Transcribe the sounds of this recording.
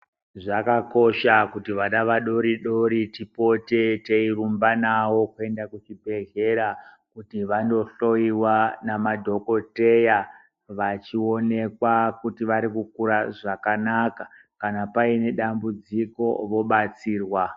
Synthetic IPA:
ʐakako̞ʃakutiʋaɗaʋaɗo̞ɾiɗoɾitipo̞te̞teirumbanawo̞kue̞ndakut͡ʃibʱe̞ɮe̞ɾa | kutiʋando̞ɬo̞iwanamadʱo̞ko̞te̞ja | ʋat͡ʃio̞ne̞kwakutiʋaɾikukuɾaʐakanakḁ | kanapaine̞ɗambud͡ziko̞ʋo̞ɓat͡siːrwa

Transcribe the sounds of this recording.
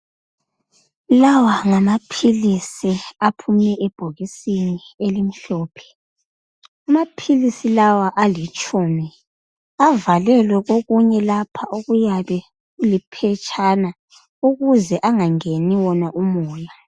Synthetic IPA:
lawaŋamapʰilisiapʰumɛʔɛb̥ʱoɣisinielim̩ɬɔːpʰɛ̥ | amapʰilisilawaʔalit͡ʃʼuːmi | avalɛlwɛɣoɣuɲɛlapʰaʔoɣujaβɛ | ɣulipʰɛt͡ʃʼʰana | uɣuzɛʔaŋaŋeniwɔnaʔumɔːja

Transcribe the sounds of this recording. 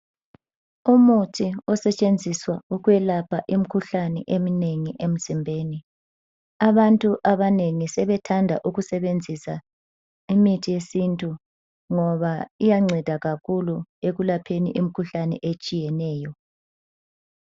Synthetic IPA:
umutʰiɔsɛt͡ʃʼend͡zʱiswauɣwɛlapʰaʔim̩kʰuɬanɛ̰ʔemineŋiʔem̩zimbʱeːni | aβantʼuʔaβaneŋisɛβɛtʰandʱa̰ʔuɣusɛβend͡zʱisa | imitʰijesintʼu | ŋɔβaijaŋ͡ǀʱɛd̥ʱaɣakʰulueɣulapʰenḭʔim̩kʰuɬanɛ̰ʔet͡ʃʼijɛnɛːjɔ

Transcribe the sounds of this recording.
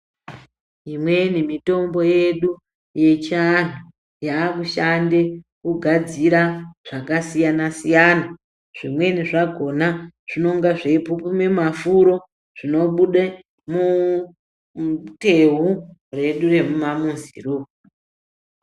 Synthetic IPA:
imwe̞nimito̞mbo̞je̞ɗu | je̞t͡ʃan̤u | jaːkuʃande̞kuɡʱad͡ziɾaʐ̥akasijanasijaːna | ʐ̥imwe̞niʐaɡʱo̞naʐ̥ino̞ŋɡaʐe̞pupume̞mafuɾo̞ | ʐ̥ino̞ɓuɗe | mu | te̞ɦure̞ɗure̞mumamunzḭru

